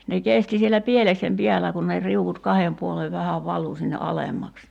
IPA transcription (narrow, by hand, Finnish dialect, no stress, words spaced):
ne kesti sielːæ pieleksem piælæ kun ne riuʋut kɑhem puoleʋ ʋæhæʋ ʋɑlu sinːe ɑlemːɑks